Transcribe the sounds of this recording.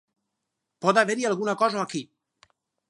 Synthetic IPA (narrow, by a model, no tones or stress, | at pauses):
pod̪aveɾialɡunakɔʒoaki